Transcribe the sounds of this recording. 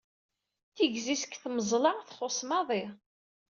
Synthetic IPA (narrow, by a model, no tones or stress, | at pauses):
θiʝzisə̥kθməzˤlɑθχʊsmɑðˤɪ